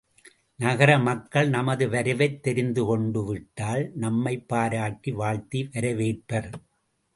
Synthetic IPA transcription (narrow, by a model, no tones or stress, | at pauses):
nɐɣɐɾɐmɐkːɐɭnɐmɐðɯʋɐɾɯʋɐɪt̪ːɛɾɪnd̪ɯkɔɳɖɯʋɪʈːaːlnɐmːɐɪpːaːɾaːʈːiʋaːɭt̪iʋɐɾɐʋeːʈpɐɾ